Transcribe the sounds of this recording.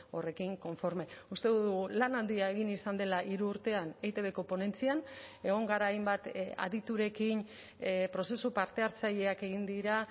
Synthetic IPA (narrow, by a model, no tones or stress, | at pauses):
o̞re̞kiŋko̞ɱfo̞ɾme̞ust̪e̞ðuðuɣulanald̪iae̞ɣ̞inisand̪e̞laʔiɾuːɾt̪e̞anejt̪e̞βe̞ko̞po̞ne̞nt͡siane̞ɣ̞o̞ŋɡaɾaːjmbat̪a̰ðit̪uɾe̞kin | pɾo̞se̞supaɾt̪e̞aɾt͡saʎe̞ake̞ɣ̞ind̪iɾa